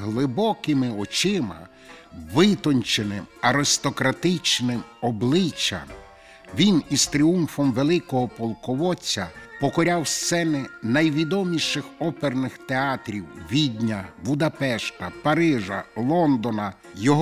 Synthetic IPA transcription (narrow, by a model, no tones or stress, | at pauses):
ɦlˠɪbɔkɪmɪɔt͡ʃɪmɐ̰ | ʋɪt̪ɔnʲt͡ʃenɪmɐɾɪst̪ɔkɾɐt̪ɪt͡ʃnɪmɔblˠɪt͡ʃːɐ̰m | ʋʲinist̪ɾʲiumfɔmʋelˠɪkɔɦɔpɔlˠkɔʋɔt͡sʲːɐpɔkɔɾʲawst̪sɛnɪnɐjʋʲid̪ɔmʲiʃɪxɔpernɪxt̪eɑt̪ɾʲiwʋʲid̪ʲnʲɐbʊd̪ɐpɛʃt̪ɐpɐɾɪʒɐlˠɔnd̪ɔnɐ | jɔɦ